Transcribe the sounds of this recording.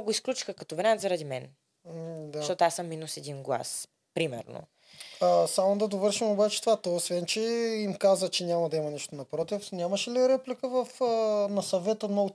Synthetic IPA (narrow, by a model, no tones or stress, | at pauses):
ɡoisklʲut͡ʃi̥xəkɐ̥t̪ovɾɛat̪zɐɾɐd̪imɛn | d̪aʃt̪ɔt̪asəmːinusɛd̪inɡlˠa̰s | pɾimɛ̰ɾno̰ | əsamod̪ɐd̪ovɤɾʃimobat͡ʃɛt̪ovat̪oosvɛnt͡ʃɛimkazət͡ʃɛnʲamɐd̪ɐimɐniʃt̪onɐpɾɔt̪ifnʲamɐʃɛliɾɛplikəvɐfənɐsɐvɛt̪əno